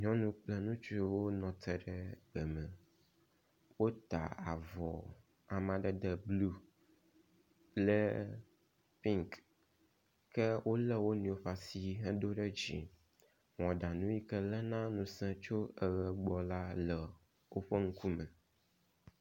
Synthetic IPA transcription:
ɲɔ̃˦nũ˦k͡plɛ˦nũ˦t͡ʃu˦i˦wo˦nɔ̃˨t̪ɛ˨ɖɛ˨bɛ˨mɛ̃˨ | wo˦t̪a̰˨a̰˨vɔ˨ | a˨mã˨ɖɛ˨d̪ɛ˨blu˦ | lɛ˦ | pĩ˦ŋk | kɛ˦wʔo˦lɛ˦wo˦nĩ˨o˦ɸa˨si˦ɦɛ̃˦do˦ɖɛ˦d͡ʑḭ˨ | ŋɔ̃˨ɖa˨nũ˦ji˦kɛ˦lɛ˦nã˦nũ˨sɛ̃˦t͡ʃo˦ə˨ɣɛ˨ɡ͡bɔ˨la˦lɛ˨ | wo˦ɸe˦ŋ̩˦ku˦mɛ˨

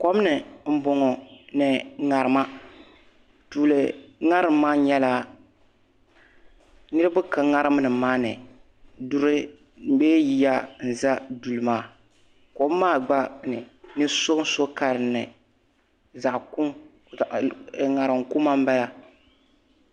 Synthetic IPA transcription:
kɔ˦m˦nɨ˨m̩˦bɔ˨ŋɔ˨nɨ˨ŋa˨ɾɨ˨ma˦ | tuː˨lɨ˨ŋa˦ɾɨ˦mː˦aː˦ɲɛ˦la˦ | nɨ˦ɾɨ˦bɨ˦ka˨ŋa˦ɾɨ˦m˦nɨ˨maː˦nɨ˨ | du˦ɾɨ˦˨ | beː˦ji˦ja˦n̩˨za˦du˨lɨ˨maː˦ | ko˦m˦maː˦˨ɡ͡ba˦nɨ˨nɨ˦so˦so˦ka˨ɾɨ˨nːɨ˨ | za˨ʔku˦˨ | ŋa˨ɾɨ˨ŋku˦ma˦m̩˦bɛ˦la˦

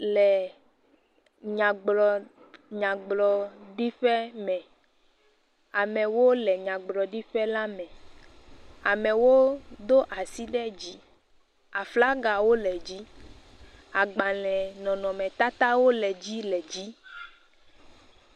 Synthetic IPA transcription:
lɛ˨ | ɲã˨ɡ͡blɔ˨ | ɲã˨ɡ͡blɔ˨ɖi˦ɸɛ˦mɛ̃˨ | a˨mɛ̃˨wo˦lɛ˨ɲã˨ɡ͡blɔ˨ɖi˦ɸɛ˦la˦mɛ̃˨ | a˨mɛ̃˨wo˦d̪o˦ʔa˨si˦ɖɛ˦d͡ʑi˦ | a˨fla˦ɡa˨wo˦lɛ˨d͡ʑi˦ | a˨ɡ͡ba˨lɛ̃˨nɔ̃˨nɔ̃˨mɛ̃˨t̪a˦t̪a˦wo˦lɛ˨d͡ʑi˦lɛ˨d͡ʑi˦

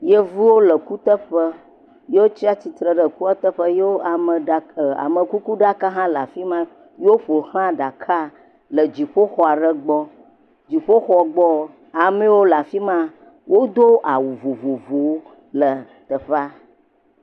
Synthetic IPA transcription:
jə˦vu˦wo˦lə˨ku˦t̪ə˦ɸə˦ | je˦wo˦t͡ʃi˦a˦t͡ɕi˨t̪ɾə˨ɖə˨ku˦a˦t̪ə˦ɸə˦je˦wo˦a˨mə˨a˨a̰˨mə̃˨ku˦ku˦ɖa˦ka˦ɦã˦la˨fi˦mã˦ | je˦wo˦ɸo˨hã˦ɖa˨kʰa˦ | lə˨d͡ʑi˨ɸo˦xɔ˦a˨ɖə˦ɡ͡bɔ˦ | d͡ʒi˨ɸo˦xɔ˦ɡ͡bɔ˦ | a˨mẽ˦wo˦la˨fi˦mã˦ | wo˦d̪o˦ʔa˨wu˨vu˨vu˨vu˨wo˦ | lə˨ | t̪ə˨ɸa˦

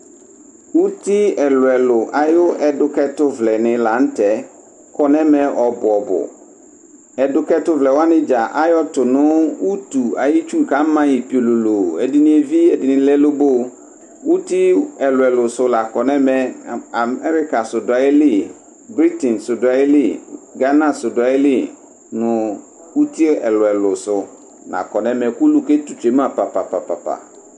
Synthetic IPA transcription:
wu˦tʰi˦ɛ˨lʊ˨ɛ˨lʊ˨ʔa˨jʊ˦ɛ˨dʊ˨kɛ˦tʊ˦vlɛ˨nɪ̃˨la˨n̩˦tʰɛ˨ | kʰɔ˨nɛ̃˦mɛ̃˨ʔɔ˨bʊ˨ɔ˨bʊ̰˨ | ɛ˨dʊ˨kɛ˦tʊ˦vlɛ˨wa˦nɪ̃˦d͡ʒa˨ʔa˦jɔ˦tʊ˨nʊ̃˦wu˦tu˨a̰˨jɪ˦t͡ʃu˦ŋ̩˨kʰã˦m̩˦mã˦ji˨pi˨o˨lo˨lo˨ɛ˨dɪ˦nĩ˦ɛ˨vi˦ɛ˨dɪ˨nɪ̃˨˦lɛ˦lo˦bo˦˨ | wu˦ti˦ɛ˨lʊ˨ɛ˨lʊ˨sʊ˨la˨kɔ˨nɛ̃˦mɛ̃˨a˨mɛ˦ɾɪ˦ka˨sʊ˨dʊ˨a˨jɪ˦lɪ˦˨ | bɾi˦tɛ̃˨nsʊ˨dʊ˨a˨ɪ˦lɪ˦˨ɡa˦nã˦˨sʊ˨dʊ˨a˨jɪ˦lɪ˦˨ | nʊ̃˨ | wu˦tʰi˦ɛ˨lʊ˨ɛ˨lʊ˨sʊ˨ | nã̰˨kɔ˨nɛ̃˦mɛ̃˨ku˦lu˨ke˦tu˨t͡ʃᶣe˨m˦ã˦˨pa˨pa˨pa˨pa˨pa̰˨

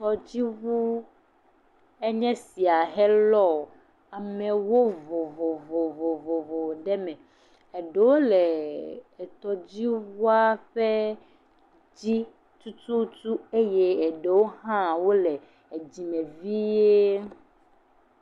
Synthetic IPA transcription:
t̪ɔ˨d͡ʑi˦βu˦ | e˦ɲɛ̃˦si˨a˨ɦɛ˦lɔ˦ | a˨mɛ̃˨wo˦vo˨vo˨vo˨vo˨vo˨vo˨ɖɛ˦mɛ̃˨ | e˨ɖe˨wo˦le˨ | t̪ɔ˨d͡ʑi˦vu˦a˦ɸe˦ | d͡ʑi˦ | t̪u˦t̪u˦t̪u˦e˦je˦e˨ɖe˨wo˦hã˦wo˦le˨ | d͡ʑi˨mẽ˨vi˦je˦

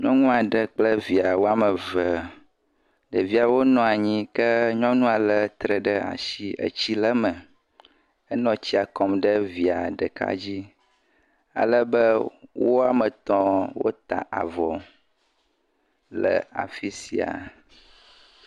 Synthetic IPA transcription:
ɲɔ̃˦ŋũ˦a˨ɖə˦k͡plə˦vi˨a˨wo˦a˦mə˨və˨ | ɖə˨vi˨˦a˨wo˦nɔ̃˨a˨ɲĩ˦kə˦ɲɔ̃˦nũ˦a˨lə˦t̪ɾə˨ɖə˦a̰˨ʃi˦ə̰˨t͡ɕi˦lə˦mə˨ | ə˦nɔ̃˨t͡ɕi˦a˨kɔ˨mɖə˦vi˨a˨ɖə˨ka̰˦d͡ʑi˦ | a̰˨lə˦bə˦wo˦a˦mə̃˨t̪ɔ̃˦wo̰˦t̪a̰˨ʔa̰˨vɔ˨ | lə̰˨a̰˨fi˦sḭ˨a̰˨

